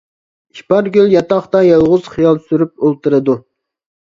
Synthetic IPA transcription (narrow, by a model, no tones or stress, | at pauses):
iʃpɑɾɡʲyljɑt̪ɑχt̪ɑjɑlˠʁʊz̥χijɑlˠsyɾyp̚olˠt̪ɨɾɨd̪u